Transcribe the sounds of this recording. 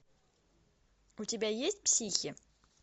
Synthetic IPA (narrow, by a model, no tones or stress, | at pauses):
utʲibʲæjesʲt̚ʲpsʲixʲiə